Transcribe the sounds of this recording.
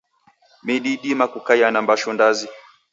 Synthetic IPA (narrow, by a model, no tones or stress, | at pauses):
miɗiɗimakukajanambaʃɔndazi